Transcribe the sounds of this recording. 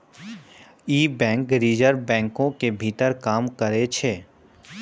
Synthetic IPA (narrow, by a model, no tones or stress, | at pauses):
iːbɛ̃ːŋkɾiːd͡ʒəɾbɛ̃ːŋkõkebʱiːt̪əɾkaːmkəɾet͡ʃʰeː